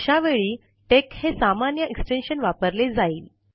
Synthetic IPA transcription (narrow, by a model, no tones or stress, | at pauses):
ɕaʋeɭiː | ʈekhesamanjəeksʈenɕənʋapəɾled͡zaiːl